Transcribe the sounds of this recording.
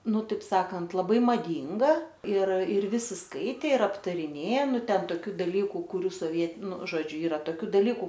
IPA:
ˈnʊ ˈtɐɪp ˈsɑːkɐnt lˠɐˈbɐɪ mɐˈdʲiːŋɡɐ ɪr ɪr ˈʋʲɪsʲɪ ˈskɐɪtʲeː ɪr ɐptɐrʲɪˈnʲeː ˈnʊ ˈtʲɛn toːˈkʲuː dɐˈlʲiːkʊ kʊˈrʲuː soːˈʋʲiɛt nʊ ˈʒoːd͡ʒʲʊ ˈiːrɐ toːˈkʲuː dɐˈlʲiːkʊ

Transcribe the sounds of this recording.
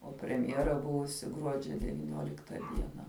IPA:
oː pʲrʲɛmʲˈjæːrɐ ˈbʊʋʊsʲɪ ˈɡruɔd͡ʒʲɛ dʲɛʋʲiːˈnʲoːlʲɪktɐ ˈdʲiɛnɐ

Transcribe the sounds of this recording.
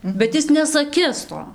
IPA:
bʲɛt ˈɪs nʲɛsɐˈkʲɪs ˈtoː

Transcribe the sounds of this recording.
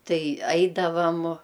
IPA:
ˈtɐɪ ˈɐɪdɐʋɐm

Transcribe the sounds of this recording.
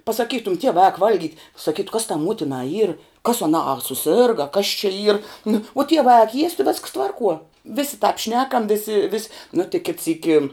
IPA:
pɐsɐˈkʲiːtʊm ˈtʲiɛʋɑː ɐk ˈʋɐlʲˌɡʲiːtʲ sɐˈkʲiːtʊ kɐs tɑː ˈmuɔtʲɪnɑː iːr kɐs ɐˈnɑː ɐ sʊˈsʲeːrɡɐ ɐ kɐs t͡ʃʲɛ iːr nʊ oː ˈtʲiɛʋɑː ɐk ˈjiɛsʲtʲ ʋʲɛsks ˈtʋɐrˌkuɔ ˈʋʲɪsʲɪ tɑːp ˈʃʲnʲæːkɐm ˈʋʲɪsʲɪ ʋʲɪsʲ nʊ tʲɪk kʲɪt ˈsʲiːkʲɪ

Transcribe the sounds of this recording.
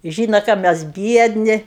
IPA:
ˈʒʲiːnoː kɑː ˈmʲɛs ˈbʲiɛdʲnʲɪ

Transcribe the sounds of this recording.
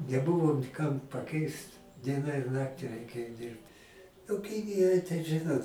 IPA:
nʲɛˈbʊʋoː nʲɪ ˈkɐm pɐˈkʲɛɪst ˈdʲiɛnɐ ɪr ˈnɑːktʲɪ rʲɛɪˈkʲeːjoː ˈdʲiːrpt nʊ ˈkʲɪnʲɪjoːj tɐɪ ˈʒɨnoːt

